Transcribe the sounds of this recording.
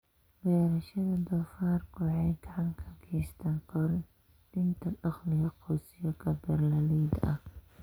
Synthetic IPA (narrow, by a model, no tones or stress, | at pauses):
bɛːɾɐʃɐðɐd̪ɔːfaːrkʰʊħɑjɡɑʕɑŋkʰɐɡʰɛːst̪ʰɐːnqɔɾ | d̪̥ɪnt̪ʰɐʔɐχlɪjɐqɔːsɪjɐkʰɐbɛrlɐliːd̪ɐ̰h